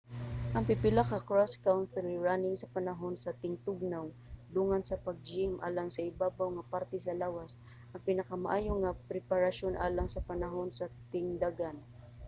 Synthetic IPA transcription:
ʔɐŋpɪpɪlakɐkɹaskawnt̪ɛɾɪɹanɪŋsɐpɐnɐɦo̞nsɐt̪ɪŋt̪ʊɡ̚naw | d̪uːŋansɐpɐɡ̚d͡ʒɪmʔa̰ːlaŋsɐɪbaːbawŋɐpaɾt̪ɛs̬ɐlaːwas | ʔɐŋpɪnɐkɐmaʔaːjoŋɐpɾɛpaɾɐʃonʔa̰ːlaŋsɐpɐnɐɦo̞nsɐt̪ɪŋd̪aɡan

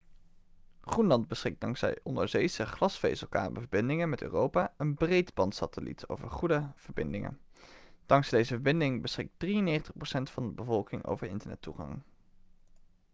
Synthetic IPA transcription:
χrunlɑndbəsχɪk̚d̥ɑŋzɛ̰jʔɔndə̰ɹzejsəχlɑsfḛjsəlˠka̰ːbəvəɹbɪndɪŋənmɛtø̰ːrowpaːənbrejtbɑntsatəlḭto̰wvəɹχudəv̥əɹbɪndɪŋə̰nd̥ɑŋsdejzəvəɹbɪndɪŋbəsχɪk̚d̥rijənːeːχəntəχprowsɛntfɑndəbəvɔlˠkɪŋo̰wvəɹɪ̰ntəɹnɛ̰tːuχɑ̰ŋ

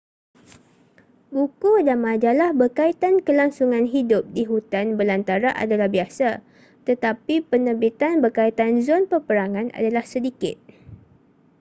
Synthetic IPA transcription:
bukudanmãd͡ʒalahbərkait̪ankəlaŋsuŋãnɦidʊp̚diɦut̪anbəlant̪aɾaʔa̰dalahbiasa | t̪ət̪apipənəbit̪anbərkait̪anzɔnpərpəɾaŋãna̰dalahsədikɪ̰t̪̚

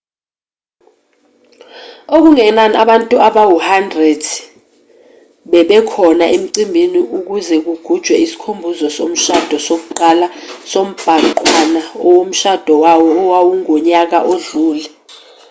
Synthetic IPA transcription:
ok̬uŋɛnanaɓantʼuaɓawuhandrɛd̥ʱ | ɓɛɓɛkʰɔnaʔem̩ǀimbʱiniʔuk̬uzɛk̬uɡ̥ʱud̥ʒ̥ʱwɛisi̥kʰombʱuzɔsom̩ʃad̥ʱɔsok̬uǃalasom̩b̥ʱaǃwanaɔwom̩ʃad̥ʱɔwawɔːwawuŋoɲak̬a̰ʔoɮuːlɛ

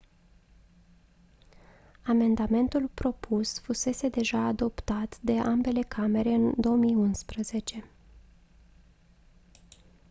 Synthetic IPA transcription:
ame̞nd̪ame̞nt̪ulpɾo̞pʰusfuse̞se̞d̪e̞ʒaːd̪o̞pt̪at̪d̪e̞ʔambe̞le̞kʰame̞ɾe̞ɨnd̪o̞omijunspɾəze̞t͡ʃe̞

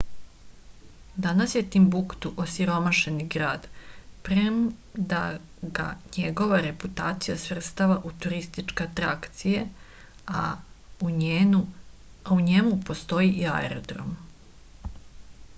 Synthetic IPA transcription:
d̪anasje̞t̪imbukt̪uʔosiɾo̞maʃe̞niɡɾaːd̪pɾem | d̪a | ɡa̰ɲeɡo̞ʋaɾe̞put̪aːt̪sijasʋr̩st̪aʋaʔut̪uɾist̪it͡ʃkeat̪ɾakt̪sije | a | auɲemupo̞st̪o̞jiʔia̰ḛɾod̪ɾo̰m

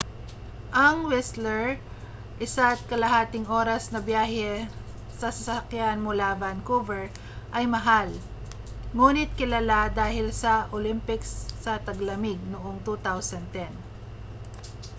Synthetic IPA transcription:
ʔɐŋwɛslɛɹ | ʔɪsat̪̚kɐlɐɦaːt̪ɪŋo̞ːɾɐsnɐbjaːɦɛ | sɐsɐsɐkjanmʊlavankovɛɹ | ʔɐjmɐɦal | ŋuːnɪt̪̚kɪlalad̪aːhɪlsɐʔolɪmpɪksːɐt̪ɐɡlɐmɪɡ̚nʊʔoŋt̪ut̪awsɐnt̪ɛn

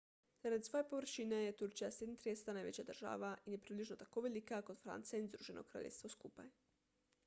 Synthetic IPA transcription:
z̥aɾad̪isʋojepoʋɾ̩ʃinejet̪uɾt͡ʃijased̪nt̪ɾiest̪anajʋḛt͡ɕad̪r̩ʒa̰ːʋaijepɾibliʒnot̪akoʋelikakod̪fɾa̰nt̪seeinzd̪ɾuːʒenʔo̰kɾa̰ʎʲḛst̪ʋoskupa̰j

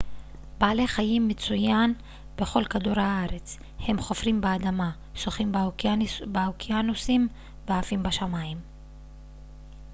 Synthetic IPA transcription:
baːle̞χajimːet͡sujan | b̥e̞χo̞lkaduɾhaaɾe̞t͡s | he̞mχo̞fʁimbeadama | soχim | beokianusim | veafimbaʃamaim

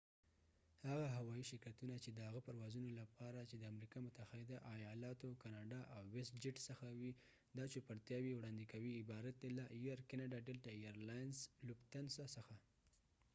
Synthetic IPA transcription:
haɣaɦawɑiʃɪɾkat̪unat͡ʃed̪əhaɣəpaɾwɑzunolapɑɾat͡ʃed̪əamɾikɑmʊt̪axaɪd̪aʔajɑlɑt̪okɑnɑɖɑʔawːɪsd͡ʒɪʈsəxawi | d̪ɑt͡ʃepaɾt̪jɑwiwɽɑnd̪ikawiɪbɑɾat̪̚d̪elajuaɾkanaɖɑɖelʈaijaɾlɑjnzlʊbt̪ansasəxa

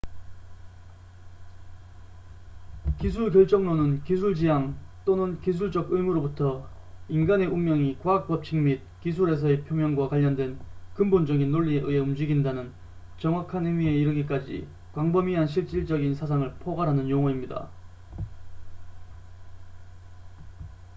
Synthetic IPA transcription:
kisʰuɭkjʌɭt͡ɕ͈ʌŋnonɯnkisʰuɭd͡ʑijaŋt͈onɯnkis̬ʰuɭd͡ʑʌɡɯjmuɾobutʰʌ | inɡane̞ʔummjʌŋikwaak̚p͈ʌp̚t͡ɕʰiŋmit̚kisʰuɾe̞sʰʌe̞pʰjomjʌŋɡwakwaʎːʌndwe̞nkɯmbond͡ʑʌɡinːoʎːieʔɯe̞umd͡ʑiɡindanɯn | t͡ɕʌŋwakʰanɯjmie̞iɾɯɡik͈ad͡ʑḭ | kwaŋbʌmiɦanɕ̬ʰiɭt͡ɕ͈iɭd͡ʑʌɡinsʰas̬ʰaŋɯɭpʰoɡaɾɦanɯnjoŋʌimɲida̰

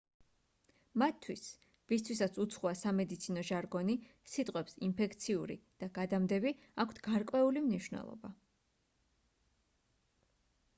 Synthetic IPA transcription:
mat̪ʰːwis | vist̪ʰwisat̪sʰut̪sʰχuasamɛd̪it̪sʰinɔʒaɾɡɔnisit̪ʼqʼwɛpsimpʰɛkʰt̪sʰiuɾḭd̪̥aɡ̥ad̪amd̪ɛbi | akʰt̪ʰɡ̥aɾkʼwɛulimniʃwnɛ̰lˠɔ̰ba̰

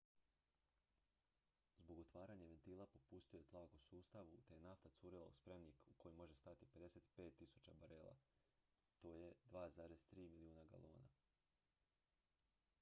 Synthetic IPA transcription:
zbo̞ɡo̞t̪ʋaːɾaɲaʋe̞nt̪iːlˠapo̞pust̪ijojet̪lˠaːkusuːst̪aʋut̪ejenaft̪at̪suːɾila̰uspɾemnikuko̞jimo̞ʒest̪at̪ipe̞d̪ese̞t̪i̥pe̞ːt̪ːisut͡ʃabaɾeːlˠa̰ | t̪o̞ːje̞d̪ʋaːzaːɾest̪ɾiːmiliuːnaɡa̰lo̰ːna̰

